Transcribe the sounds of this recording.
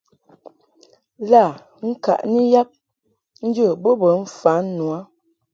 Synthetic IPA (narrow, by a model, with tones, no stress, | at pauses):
la˦˨ | ŋ̩˦ka̰˨ʔni˦ja˦p̚ | n̩˦d͡ʒə˦˨bo˦bə˨˦m̩˦fa˨˦nː˦u˨a˦